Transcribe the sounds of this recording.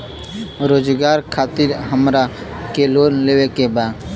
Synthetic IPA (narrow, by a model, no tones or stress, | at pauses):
ɾoːd͡ʒɡaːɾkʰaːt̪ɪɾɦəmɾa | keloːnleːʋekebaːd̪